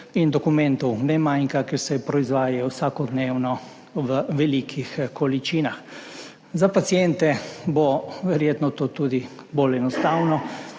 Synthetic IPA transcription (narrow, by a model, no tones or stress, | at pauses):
ind̪ɔkumɛ̃nt̪ɔwnɛmajŋkakɛɾsɛpɾɔizʋaːjajɔwsakɔd̪neːwnɔ | ʋəʋɛliːkʰixkɔlit͡ʃiːnax | zapat̪sijɛnt̪ɛbɔʋɛɾjeːt̪nɔt̪oːt̪uːd̪i | bolɛnɔst̪aːwnɔ